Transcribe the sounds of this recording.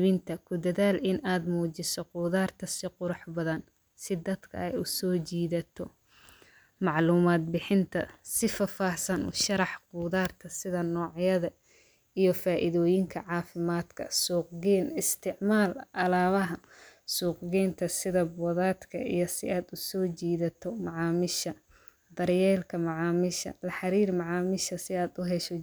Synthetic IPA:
βɪnt̪ʰɐkʰʊd̪ɐðaːlɪnaːd̪muːt͡ʃɪsɔqʊːðaːrt̪ʰɐsɪqʊɾʊħbɐðɐn | sɪd̪ɐd̪kʰɐ̰ɛjʊsɔːt͡ʃiːðɐt̪ʰɔ | mɑʕluːmaːd̪̚bɪħɪnt̪ʰɐ̰sɪfɐfaːhsɐnʔɔ̰ːʃɐɾɑħquːðaːrt̪ʰɐsɪðɐnɔːʕjɐðɐ | ijɞfaːʔɪðɔːjɪŋkʰɐʕɑːfɪmaːd̪kʰɐ̰suːqɡɛːnɪst̪ʰɪʕmaːlʔɐlaːβɐɦɐsuːqɡɛːnt̪ʰɐsɪðɐbɔðaːd̪kʰɐʔḭjɞsɪaːd̪ʊsɔːt͡ʃiːðɐt̪ʰɔmɑʕɑːmɪʃɐ | d̪ɐɾjɛːlkʰɐmɑʕɑːmɪʃɐ̰lɐħɑɾiːrmɑʕɑːmɪʃɐsɪaːd̪ʊɦɛʃɔ

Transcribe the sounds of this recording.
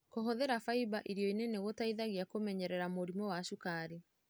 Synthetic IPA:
koɦɔðɛɾafaibaʔiɾiɔineneɣotaiðaɣiakomɛɲɛɾɛɾamoɾimɔwaʃukaɾi

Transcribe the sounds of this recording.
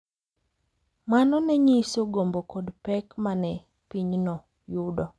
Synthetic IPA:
manɔnɛɲisoɡombokodpɛkmanɛ | piɲnɔ | judɔ

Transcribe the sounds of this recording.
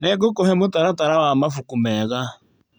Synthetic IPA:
nɛk̬okɔɦɛmʊtaɾataɾawamafukumɛɣa

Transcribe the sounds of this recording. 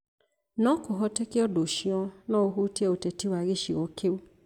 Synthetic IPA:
nãkoɦɔtɛkiɔdoʃĩɔ̃nãːoɦutiɛotɛtiwaɾeʃiɔkʰeo

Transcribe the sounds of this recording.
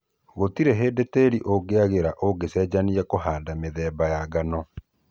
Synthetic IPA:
ɣotiɾeɦeːdeteɾiʔoɡeaɣeɾaʔoɡesɛːd͡ʑaniɛkoɦaːdameðɛːbajaɡanɔ

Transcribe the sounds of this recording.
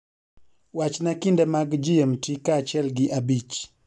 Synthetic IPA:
wat͡ʃnakindɛmaɡd͡ʒiɛmtikat͡ʃɛlɡɪʔabit͡ʃ

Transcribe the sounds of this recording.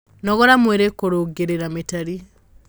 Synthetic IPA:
nɔɣɔɾamweɾekoɾoɡeɾeɾametaɾi

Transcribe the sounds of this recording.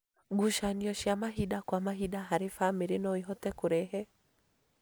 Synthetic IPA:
ɡuʃaniɔʃiamaɦidakwamaɦidaɦaɾifamiɾɪnɔiɦɔtɛkʊɾɛɦɛ

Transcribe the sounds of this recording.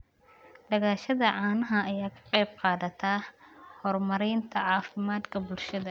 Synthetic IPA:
ɖɐɣaːʃɐðɐʕɑːnɐɦɐɐjaːkʰɐ̥qɛjb̚qɑːðɐt̪ʰaːhɔrmɐɾɛjnt̪ʰɐʕɑːfɪmaːd̪kʰɐbʊlʃɐðɐ

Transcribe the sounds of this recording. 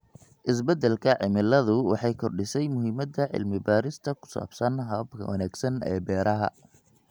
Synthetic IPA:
ʔɪs̬bɐd̪ɛlkʰɐʕɪmɪlɐðʊwɑ̰ħɑjkʰɔrɖɪsɛjmʊɦɪmɐd̪ɐʕɪ̰lmɪbaːɾɪst̪ʰɐkʰʊ̥sa̰ːb̥sɐnɦɐbkʰɐ̰wɐ̰naːɡsɐnɛ̰ːbɛːɾɐɦɐ̰

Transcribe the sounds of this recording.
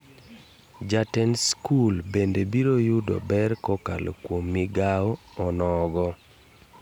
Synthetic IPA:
d͡ʒatɛnskulbendebiɾojudɔ̰bɛrkɔka̰lo̰kwomːiɡaɔ | ɔnɔɡɔ

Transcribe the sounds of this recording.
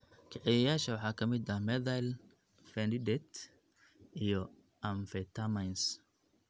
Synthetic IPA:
kʰɛʕɛjɐjaːʃɐwɑħɑːkʰɐmɪd̪ɐmɛd̪ajl | fɛnd̪ɪd̪ɛt̪ | ʔijɔ | ʔɐɱfɛt̪ʰamajns

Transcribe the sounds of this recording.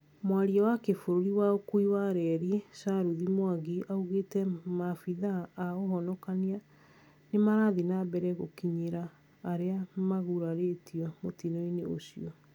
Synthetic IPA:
mwaɾiawakefoɾoɾiwaokuiwaɾɛɾisaɾuðimwaɣiʔauɣetɛmafiðaːoɦɔnɔkania | nemaɾaðinabɛɾɛɣokiɲeɾaː | ɾeamaɣuɾaɾetiɔmotinɔineo̰siɔ

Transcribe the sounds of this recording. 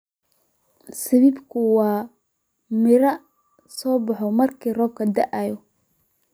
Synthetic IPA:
sɪβibkʰʊwɑː | mɪɾɐ | sɔːbɑħɔmɐrkʰiːrɔːb̚kʰɐd̪ɐʔajɔ

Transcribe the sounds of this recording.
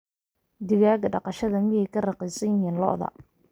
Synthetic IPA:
d̪ɪɣaːɡɐɖɑqɑʃɐðɐmɪjɛjkʰɐrɑqɛjsɐnjɪɦiːnlɔ̰ʔðɐ̰

